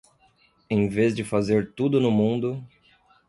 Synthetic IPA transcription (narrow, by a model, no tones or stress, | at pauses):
ẽj̃vezd͡ʒɪfazeɾt̪ud̪ʊnʊmũnd̪ʊ